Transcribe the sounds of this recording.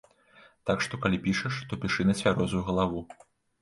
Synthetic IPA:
t̪akʂt̪ɔkalʲipʲiʂɐʂt̪ɔpʲiʂɨnɐt͡sʲvʲaɾɔzujuɣɐlˠavu

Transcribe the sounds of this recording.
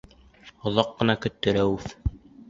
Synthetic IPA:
ŏðɑqːɤ̆nɑkɵ̆t̪ːɘ̆ɾæwʉθ

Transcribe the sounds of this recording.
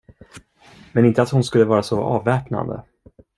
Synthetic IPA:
mɛnɪnt̪əat̪hʊnskɵlːəvɑːɾasɔɑːvːɛːpna̰nd̪ə̰

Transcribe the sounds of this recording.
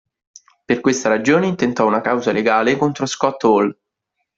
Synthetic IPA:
perkwest̪aɾad͡ʒoːneint̪ent̪ɔunakawzaleɡaːlekont̪ɾoskɔt̪ːol

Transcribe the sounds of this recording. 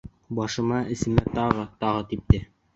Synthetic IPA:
bɑʃɤ̆mɑɘ̆sɘ̆mæt̪ɑʁɤt̪ɑʁɤt̪ip̚t̪ɘ

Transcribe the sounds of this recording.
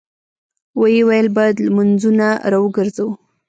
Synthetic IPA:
wajewajəlbɑjad̪lamanzunaɾɑwəɡəɾzawu

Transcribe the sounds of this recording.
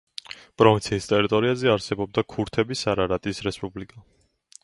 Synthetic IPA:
pʼɾɔvint̪sʰiːst̪ʼɛɾit̪ʼɔɾiazɛaɾsɛbɔb̚d̪akʰuɾt̪ʰɛbisaɾaɾat̪ʼisɾɛspʼublikʼa

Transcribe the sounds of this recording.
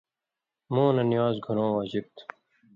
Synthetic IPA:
mõːnɐnijaːzɡʱuɾõːwaːd͡ʑib̚t̪ʰu̥

